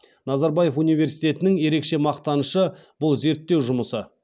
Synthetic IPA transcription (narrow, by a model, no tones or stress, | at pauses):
nɑzɑɾbɑje̞funijve̞ɾsijt̪e̞t̪ɪnɪŋje̞ɾe̞kʃe̞mɑqt̪ɑnəʃəbʊlˠze̞ɾt̪ːe̞wʒʊməsə